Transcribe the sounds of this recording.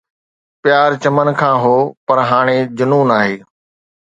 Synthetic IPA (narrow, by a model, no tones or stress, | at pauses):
pɪjaːɾt͡ɕɐmənkʰãːɦoːpɐɾɦaːɽ̃ed͡ʑʊnuːnaːɦeː